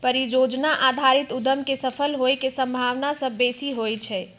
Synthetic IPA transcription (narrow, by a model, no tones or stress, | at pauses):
pəɾid͡ʒod͡ʒnaʔad̪ʱaɾit̪ud̪əmkesəpʰəlɦoekesə̃mbʱaʋnasəbːesiɦojt͡ʃʰɛ